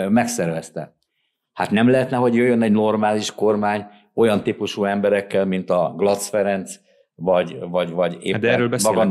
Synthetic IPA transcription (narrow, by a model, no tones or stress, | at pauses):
mɛksɛrvɛst̪ɛ̰ | hat̪nɛmlɛɦɛt̪nɛɦo̞ɟjøjːønɛɟno̞rmaːliʃko̞rmaːɲ | o̞jɒnt̪ipuʃuːɛmbɛɾɛkːɛlmint̪ɒɡlɒt̪sfɛɾɛnt̪s | vɒɟvɒɟvɒɟḛːd̪ɛɾøːlbɛmɒɡɒn